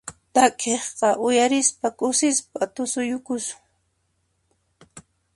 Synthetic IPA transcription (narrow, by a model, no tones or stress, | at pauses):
t̪akʼeχqɑʔʊjaɾɪspakʊsɪspat̪ʊsʊjʊkʊsʊ̥ŋ